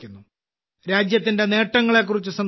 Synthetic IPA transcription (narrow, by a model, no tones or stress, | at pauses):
kʲːunːu | ɾaːd͡ʑjɐt̪̬ːinde̞ne̞ːʈːɐŋːɐɭe̞k̬ːurit͡ɕːusɐn